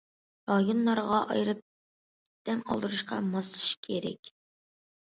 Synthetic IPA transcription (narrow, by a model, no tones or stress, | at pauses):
ɾɑjonlˠɑɾʁɑʔɑ̰jɾɨp̚ | d̪̥ɛŋɑ̰lˠd̪ɨɾuʃqɑ̰mɑsɨ̥ʃkʲʰeɾɛ̰kʲ